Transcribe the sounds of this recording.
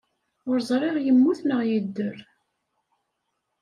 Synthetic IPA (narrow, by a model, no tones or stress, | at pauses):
ʊɾzˤɾˤeʁjəmːuθnəʁjəd̪ːəɾ